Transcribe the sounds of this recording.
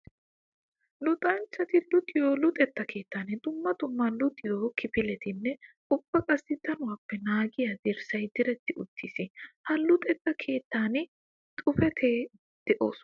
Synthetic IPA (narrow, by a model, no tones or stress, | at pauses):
lʊt̪ʼɐnt͡ʃːɐt̪ɪlʊt̪ʼɪjoːlʊt̪ʼɛt̪ːɐkʰe̞ːt̪ːaːnɪd̪ʊmːɐt̪ʊmːɐlʊt̪ʼːɪjoːkɪpɪlɛt̪ɪnːɛ | ʊb̥ːɐkʼɐsːɪd̪ɐnʊwaːpːɛnaːɡɪjɐd̪ɪɾsɐjd̪ɪɾɛt̪ːɪʔʊt̪ʰːisɪhɐlʊt̪ʼɛt̪ːɐkʰe̞ːt̪ːaːnɪ | t̪ʼʊfɛt̪ʰeː | d̪̥ɛʔo̞̰ːsʊ